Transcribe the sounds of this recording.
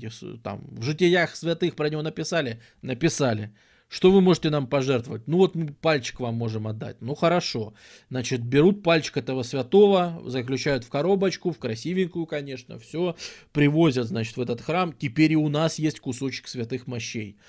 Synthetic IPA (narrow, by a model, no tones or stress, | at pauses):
ɪst̪a̰mvʐɨtʲɪjaxsvʲɐt̪ɨxpɾənʲɪvʲo̞nəpʲɪsalʲɪ | nəpʲɪsalʲɪ | ʂt̪o̞vɨmo̞ʐɨtʲɪnampɐʐɛrt̪vəvət̚ʲnuvo̞t̪mɨpalʲt͡ɕɪ̥kvamːo̞ʐɨmɐd̪ːa̰t̚ʲnuxəɾɐʂo̞ | znat͡ɕɪt̪̚bʲɪɾut̪̚palʲt͡ɕɪ̥kɛt̪əvəsvʲɐt̪o̞vəzəklʲʉt͡ɕæjʊt̪fkɐɾo̞bət͡ɕkʊfkɾɐsʲivʲɪŋʲkʊjʊkɐnʲe̞ʂnə̰fsʲopɾʲɪvo̞zʲət̪znat͡ɕɪ̥t̪vɛt̪ət̪xɾamtʲɪpʲeɾʲɪʊnasjesʲtʲkʊso̞t͡ɕɪ̥ksvʲɪt̪ɨxmɐɕːej